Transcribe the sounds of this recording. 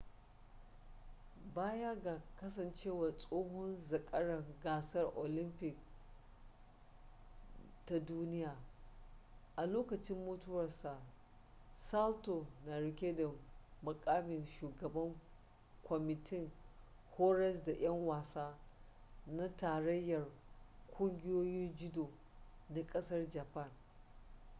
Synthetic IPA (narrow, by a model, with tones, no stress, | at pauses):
baː˦ja˦ɡaː˨kɐ˦s̬ɐ˨nt͡ʃeː˦waː˨sʼoː˦ɦʊ˦nzɐ˨kʼɐ˦ɽɐ˨ɡaː˨sɐ˦rʔo˨lɪ˦mpɪ˨k̚ | ta˨duː˦nɪ˦jaː˨ | ʔa˨loː˦kɐ˨t͡ʃɪ˦mːoː˦tʊ˦wɐ˨rsa˨ʔ | sa˦lto˨na˨ɽɪ˨kʲe˦da˨mʊ˨kʼaː˦mɪ˨nʃuː˨ɡɐ˨bɐ˦ŋ | kʷɔ˨mɪ˨tʰɪ˦ŋ | hoː˦ɾɛ˦s̬da˨ʔɐ˦ŋwaː˨saː˦ | na˦taː˨ɾɐ˦jːɐ˨r | kʷʼʊ˦ŋɡʲɪ˦joː˦jɪ˦nd͡ʒɪ˦doː˨ | na˦kʼɐ˦sɐ˦rd͡ʒa˨pɐ˦˨n